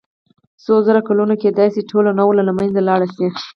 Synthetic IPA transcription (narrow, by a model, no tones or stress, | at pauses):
sozəɾakalunoked̪ɑjseʈʰolanawlalamanzalɑɽasi